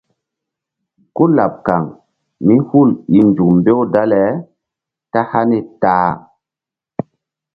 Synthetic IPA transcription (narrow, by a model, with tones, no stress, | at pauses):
ko˦la˨p̚ka˨ŋ | mi˦hu˦˨li˨nd͡ʒu˨kmbe˦wda˦lɛ˨˦ | ta˦ha˦ne˦taː˦